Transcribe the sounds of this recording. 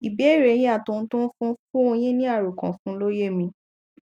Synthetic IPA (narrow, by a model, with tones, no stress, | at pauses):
i˨be˨˦˨ɾe˨˦j̃ĩ˧a˦˨tõ˨˦˧n̩˦tũ˦n̩˦fũ˦fũ˦o˧j̃ĩ˦nĩ˦a˦˨ɾo˨kã̰˨fũ˦lo˦je˦mĩ˧